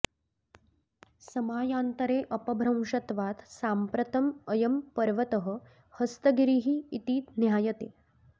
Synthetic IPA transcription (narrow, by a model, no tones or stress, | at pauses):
sɐmaːjaːnt̪əɾeːʔɐpɐbʱɾɐ̃w̃ʂɐt̪ʋaːt̪saːmpɾɐt̪ɐməjɐmpɐɾʋɐt̪əɦə | həst̪ɐɡɾiːɦiːt̪iːt̪njaːjɐt̪eː